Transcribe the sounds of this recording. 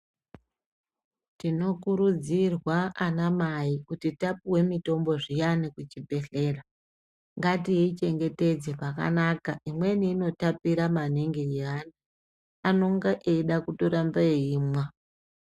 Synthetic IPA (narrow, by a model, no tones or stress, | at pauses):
tino̞kuɾud͡zirwaanamaikutitapiwe̞mito̞mbo̞ʐijanikut͡ʃibʱe̞ɬe̞ːra | ŋɡatijeit͡ʃe̞ŋɡe̞te̞d͡zeʐaka̰nakaimwe̞niino̞tapiɾamaneŋɡeiani | ano̞ŋɡaʔeɗakutoɾambeiːmwa